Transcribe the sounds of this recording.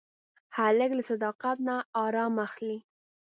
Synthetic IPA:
haləklasad̪ɑqat̪naɑɾɑmaxli

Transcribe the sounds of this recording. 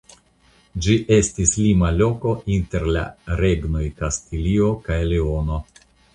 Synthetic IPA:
d͡ʒiʔe̞stislimalo̞ko̞ʔinte̞ɾla̰ɾe̞ɡno̞jkastilio̞kajleo̞no̞

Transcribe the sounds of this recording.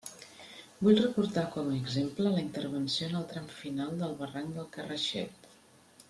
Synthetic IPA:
buʎrəkuɾt̪akɔməːɡzemplələint̪əɾβənsionəlˠt̪ɾɛmfinalˠd̪əlˠβəraŋd̪əlˠkərəʃɛ̰t̪

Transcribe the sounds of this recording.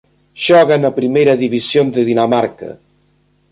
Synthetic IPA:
ʒ̥ɔɣənapɾimejɾəðiβisjond̪əðinamaɾkə̰

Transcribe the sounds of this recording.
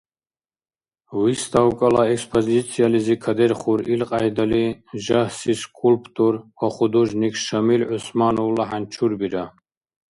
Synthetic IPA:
wist̪ʰawkʼalaɛkspʰɔzit̪sʰijalizikʰad̪ɛɾχuɾilqʼajd̪aliʒahsiskʼulpʰt̪ʼuɾwaχud̪uʒnikʰʃamilʕʊsmanɔwlaħant͡ʃʰuɾbiɾa

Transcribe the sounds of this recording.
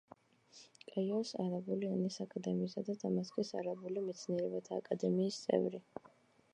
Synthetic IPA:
kʼajɔsa̰ɾabulianisakʼad̪ɛmiːsad̪at̪ʰamaskʼisa̰ɾabulimɛt̪sʰniɛɾɛbat̪ʰaːkʼad̪ɛmiːst̪sʼɛ̰vɾi

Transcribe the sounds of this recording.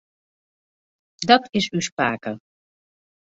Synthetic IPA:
dɑtɪsywspaːkə

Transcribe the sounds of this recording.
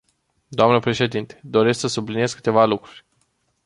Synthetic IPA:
d̪oamnəpɾe̞ʃe̞d̪int̪e̞̥d̪o̞ɾe̞sksəsublinie̞skɨ̥t̪e̞valukɾurʲ

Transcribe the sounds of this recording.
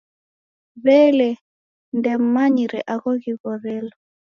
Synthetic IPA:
βɛlɛ | ndɛm̩maɲiɾɛʔaɣɔɣiɣɔɾɛlɔ

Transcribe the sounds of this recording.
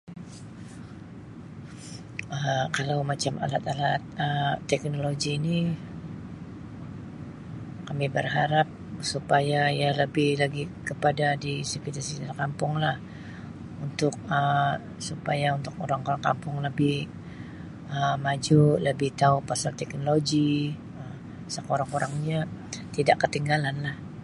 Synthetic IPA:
əkalawmat͡ʃama̰lat̪alat̪̚əːɛk̚noloɡiːni | kamibərɦaɾap̚supajajaləbɪhlaɡikəpadadisəkit̪asit̪arkampʊŋlah | unt̪ʊk̚ə | supajaunt̪ʊk̚oɾaŋoɾaŋka̰mpʊŋləbɪh | əmad͡ʒuləbɪht̪aupasalt̪ɛk̚noloɡi | ə | sakoɾaŋoɾaŋɲat̪idaʔkət̪iŋɡalanlah

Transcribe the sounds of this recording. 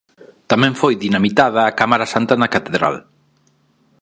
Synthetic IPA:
t̪amɛ̃ɱfojðinamit̪aðɐːkamaɾasant̪ɐnɐkat̪eðɾa̰l

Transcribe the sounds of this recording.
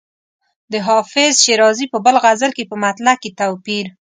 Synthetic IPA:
d̪əɦɑfɪzʃeɾɑzipəbəlɣazəlkepəmat̪laket̪awpiɾ

